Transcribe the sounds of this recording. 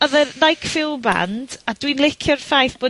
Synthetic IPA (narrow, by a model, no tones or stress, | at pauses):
ɔðərnajkʰfɪlˠba̰nd̥adwinlˠɪkʰjɔrfajθb̥oː